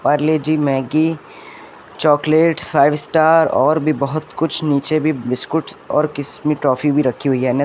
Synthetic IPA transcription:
paɾleːd͡ʒiːmɛ̃ːɡi | t͡ʃɔːkleːʈsfʰaːɪʋsʈaːɾɔːɾbʱibɐɦʊt̪kʊt͡ʃʰniːt͡ʃebʱibɪskʊʈɔ̰ːɾkɪsmiʈɾɔːfibʱiɾɐkʰːiɦʊiɦɛːne

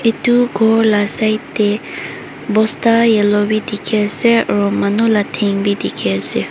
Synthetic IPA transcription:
ʔit̪uɡɔɹlasajt̪e | bɔst̪ajelowid̪ikʰɛsɛɹɔmanulat̪ʰeŋbid̪ikʰɛse

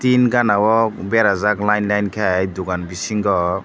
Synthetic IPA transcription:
t̪inɡanawɔbɛɾazaklajnlajnkʰajd̪uɡanbisiŋɡɔ

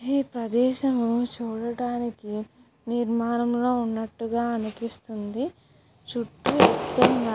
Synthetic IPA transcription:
iːpɾɐd̪ɛːʃɐmut͡ʃuːɽɐɽaːniki | niɾmaːnɐmlo̞ːunːɐʈːuɡaːɐnupist̪und̪i | ʃuʈːuɛt̪ːɐŋɡa

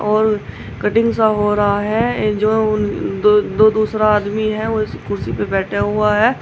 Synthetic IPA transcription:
ʔɔːɾ | kɐʈɪ̃ŋɡs̬aɦoːɾaɦaɦɛ̃d͡ʒoːnod̪oːd̪uːsɾaaːd̪miɦɛʋoɪskʊɾsipebɛːʈʰaɦʊaɦɛː

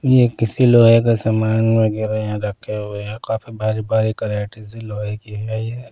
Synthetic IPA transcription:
jekɪsiloːɦekesamaːnmẽɡɪɾeɦɛ̃ɾɐkʰeɦʊeɦɛkaːfibʱaːɾibʱaːɾikɐɾeːʈisiloːɦekiɦɛjeː

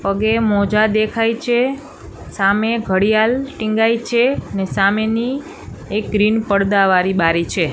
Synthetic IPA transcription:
pəɡemɔd͡ʒad̪ekʰajt͡ʃʰe | sameɡʱəɽijalʈĩŋɡajt͡ʃʰeənesameni | ek̚ɡɾinpəɽd̪aʋaɾibaɾit͡ʃʰe

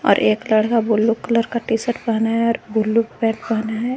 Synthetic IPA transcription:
ɔ̰ːɾʔeːkləɽkabʊlːukələɾkaʈisəʈbəɦnaɦɛɔːɾbʊlːukbɛ̃ːʈbɐɦnaɦɛː

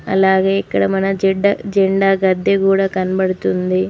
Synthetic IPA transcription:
ɐ̰lːaːɡeːikːɐɽɐmɐnɐd͡ʒɛɖːɐd͡ʒeɳɖaːɡɐd̪ːɐkuːɽɐkɐnbɐɽut̪und̪i

